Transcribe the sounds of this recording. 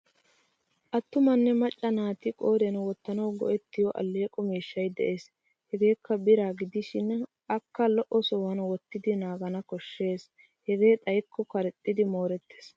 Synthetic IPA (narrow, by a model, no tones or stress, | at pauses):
ʔɐt̪ːʊmɐnːɛmɐt͡ʃʼːɐnaːt̪ɪkʼo̞ːɾɛnwɔt̪ːɐnɐwɡɔ̰ʔɛt̪ːɪjɔʔɐ̰lːeːkʼɔmiːʃːɐjd̪ɛʔe̞ːs | hɛɡe̞ːkʰːɐbɪɾaːɡɪd̪ɪʃɪn | ʔɐkːɐlɔʔɔsowɐnwɔt̪ːɪd̪ɪnaːɡɐnɐkɔʃːe̞ːs | hɛɡe̞ːt̪ʼɐjkʰːɔkɐɾɛt̪ʼːɪd̪ɪmoːɾɛt̪ʰːeːs